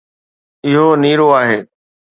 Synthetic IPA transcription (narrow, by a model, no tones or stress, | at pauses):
ɪɦoniːɾoaːɦeː